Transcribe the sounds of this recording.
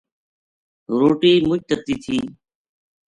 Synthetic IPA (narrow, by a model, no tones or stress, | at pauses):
ɾoːʈiːmʊt͡ʃt̪ət̪iːt̪ʰiː